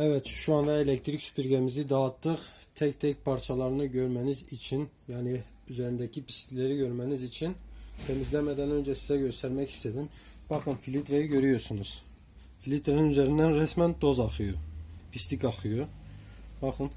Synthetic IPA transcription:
ævæt̪ʃʃuɑnd̪ɑelekt̪ɾicsy̥pʰiɾɡʲæmizid̪ɑt̪ʰːɯqt̪ʰɛct̪ʰɛc̚pʰɑɾt͡ʃʰɑlˠɑɾɯnɯɟøɾmænizit͡ʃʰin | jaːni | yzæɾind̪æcʰipʰist̪ʰilæɾiɟø̞ɾmænizit͡ʃʰint̪ʰemizlæmæd̪ænø̞nd͡ʒæsizæɟø̞st̪æɾmæci̥st̪ʰæd̪im | b̥ɑχɯnfilit̪ɾejiɟø̞ɾyjoɾsunuz̥ | filʲit̪ʰɾeninyzæɾind̪ænɾæsmænd̪o̞zɑχɯjupʰist̪ikɑχɯju | bɑχɯn

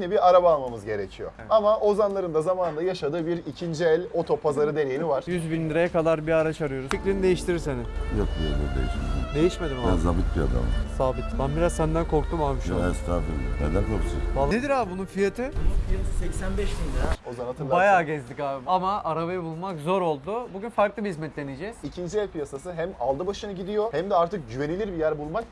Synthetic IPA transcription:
jinibiɾaɾabaːlˠmamɯzɟe̞ɾe̞cʰijo̰ | amaʔo̞zanlˠaɾɯnd̪azamaːnɯnd̪ajaʃad̪ɯːbiɾicʰind͡ʒiɛlʲo̞t̪ʰo̞pʰazaɾɯd̪e̞ɾejinivaɾ̥jyzbinlʲiɾajakad̪aɾbiaɾat͡ʃaɾɯjo̞ɾusficlʲinid̪e̞jiʃt̪ʰiɾiɾsenɪjok̚b̪iolˠṵɾd̪ḛjḭʃmed̪ḭmd̪e̞jiʃmed̪imaɛnzabit̪̚bia̰d̪a̰m̰saːbit̪banbiɾazsænd̪ænkʰo̞ɾk̚t̪ʰumamʃɛst̪aːfiɾ̰ned̪ænkʰoɾusunbalˠned̪iɾaːbununfijat̪ʰɪbununfijat̪ʰɯsɛcsænbɛʃbinʲd̪aozanat̪ʰɯbajaːɟɛzd̪icaːbiamaaɾaβajɯbulˠmakzo̞ɾo̞lˠd̪ʊbuɟynfaɾklˠɯbihizmɛt̪lʲe̞nid͡ʒɛzicʰind͡ʒiɛlʲpʰijasasɯɦæmalˠd̪ɯbaʃɯnaɟid̪ijo̞hæmd̪ɛaɾt̪ʰɯk̚ɟyve̞nilʲiɾbijæɾbulˠmak

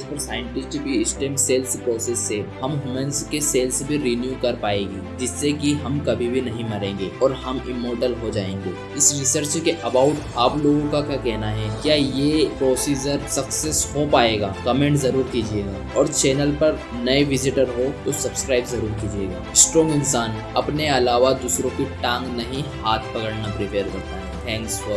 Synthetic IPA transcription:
spɐɾsaːɪɪ̃ɳʈɪsʈɪkbʱiɪsʈeːmseːlspɾoːsesːehɐmɦʊmə̃nskeseːlsbʱiɾinjuːkɐɾpaːeːɡiːd͡ʒɪsːekiɦɐmkɐbʱibʱinɐɦĩmɐɾẽːŋɡeːɔːɾhɐmɪmːoːɾʈəlɦod͡ʒaːḛ̃ːŋɡeː | ɪsɾɪsəɾt͡ʃkeʔɐbaːʊʈ | aːploːɡõkakjaːkɛɦnaɦɛkjaːjepɾoːsiːd͡ʒəɾsɐkseshopaːeːɡaːkɐmẽːɳʈzɐɾuːɾkiːd͡ʒieːɡaːɔːɾt͡ʃɛːnəlpɐɾ | nɐeʋɪzɪʈəɾɦot̪osɐbskɾaːɪbzɐɾuːɾkiːd͡ʒieːɡa̰ːsʈɾɔ̃ːŋɡɪnsaːn | ɐpneɐlaːʋad̪uːsɾõkiʈãːŋɡnɐɦĩhaːt̪ʰpɐkəɽnapɾɪpeːɾd̪eːt̪aɦɛːt̪ʰɛ̃ːŋksfɔɾ

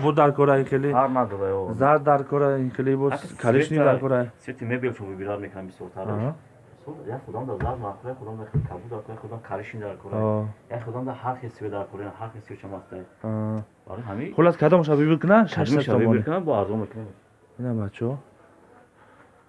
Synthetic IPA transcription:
kʰabud̪aɾkʰɔɾajiχeliaɾnad̪ɔɾajɔzaɾ̚d̪aɾkʰɔɾajikilibɔkʰaɾiʃnid̪aɾkʰɔɾajset̪ʰimebelt͡ʃʰɔmbibiɾad̪mekʰnambisjɔɾt̪ʰaɾaʃ | sɔɾjaχud̪amd̪azaɾd̪maɾkʰuɾajχud̪amd̪akʰabud̪aɾkʰɔɾaχud̪amkʰaɾiʃnid̪aɾkʰɔɾaɔjaχud̪amd̪ahaɾχesived̪aɾkʰɔɾinahaɾχesiet͡ʃʰamast̪ajɔ | ba̰ɾoɦamiχulaskʰad̪ɔmʃ̬abibikʰunaʃaʃnaaɔnknabɔaɾzɔmekʰne | inabat͡ʃʰɔ

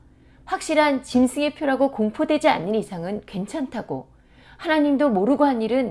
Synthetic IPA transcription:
ɸwak̚ɕ͈iɾɦant͡ɕimsʰɯŋepʰjoɾaɡokoŋpʰodwe̞d͡ʑia̰nːɯnisʰaŋɯnkwe̞nt͡ɕʰantʰaɡ̥o | hanaɲimdomoɾɯɡoɦaniɾɯn

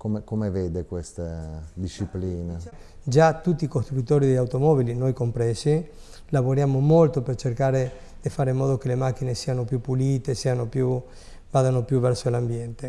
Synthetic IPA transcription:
komekomeveːd̪ekwest̪ad̪iʃipliːna | d͡ʒat̪ut̪ːiːkost̪ɾut̪ːoːɾid̪eʎːawt̪omɔβilinojkompɾɛːsi | lavoɾjaːmomolt̪opert͡ʃerkaːɾe | d̪̥ifaːɾeimːɔːd̪okelemak̟ːinesiːanopjupːuliːt̪esiːanopju | baːðanopjuvɛrsolambjɛnt̪e

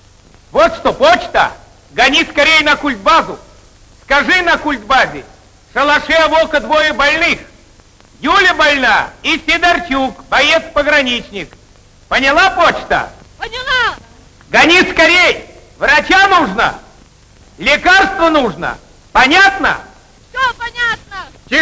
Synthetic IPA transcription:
vot̪ʂt̪opot͡ɕt̪ə̰ | ɡɐnʲiskɐɾʲejnɐkulʲt̪̚bazʊ | skɐʐɨnɐkulʲt̪̚bazʲɪ̰ | ʂəlˠɐʂɛɐvokəd̪vojəbɐlʲnɨx | julʲəbɐlʲnaisʲɪd̪ɐrt͡ɕukbɐjet̪spəɡɾɐnʲit͡ɕnʲɪk | pənʲɪlˠapot͡ɕt̪ə̰ | a | ɡɐnʲiskɐɾʲej | vɾɐt͡ɕanuʐnə̰ | lʲɪkarst̪vənuʐnə̰ | pɐnʲat̪nə̰ | ɐnʲat̪nə

